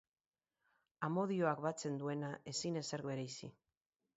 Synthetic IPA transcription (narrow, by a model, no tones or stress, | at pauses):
amo̞ð̞io̞akβat͡se̞nd̪ue̞naʔe̞sine̞se̞ɾɣe̞ɾejsi